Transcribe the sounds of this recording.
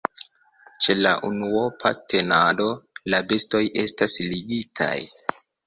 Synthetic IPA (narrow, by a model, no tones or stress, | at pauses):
t͡ʃe̞laʔunuopʰatʰe̞nado̞labe̞sto̞jʔe̞stasliɡitʰa̰j